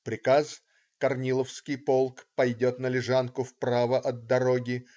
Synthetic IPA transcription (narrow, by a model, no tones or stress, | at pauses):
pɾʲɪkas | kɐrnʲilˠəfskʲɪjpo̞lˠkpɐjdʲo̞t̪nəlʲɪʐankʊfpɾavəʔɐd̪d̪ːɐɾoɡʲɪ